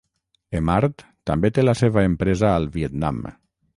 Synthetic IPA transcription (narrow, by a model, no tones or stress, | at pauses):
emaɾt̪ːambet̪elaseβaempɾezaːlˠβiet̪na̰m